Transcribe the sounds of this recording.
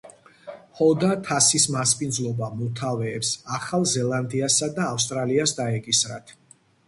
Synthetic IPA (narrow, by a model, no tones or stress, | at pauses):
hɔd̪at̪ʰasismaspʼind̪zlˠɔbamɔt̪ʰavɛːpsaχalˠzɛlˠand̪iasad̪aːfst̪ʼɾaliasd̪aɛkʼisɾat̪ʰ